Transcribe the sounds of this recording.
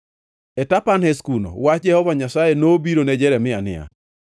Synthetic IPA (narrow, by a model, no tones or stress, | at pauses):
ɛtapanhɛskuno̰wad͡ʒɛhɔvaɲasajenobiɾonɛd͡ʒɛɾɛmɪanɪ̰a̰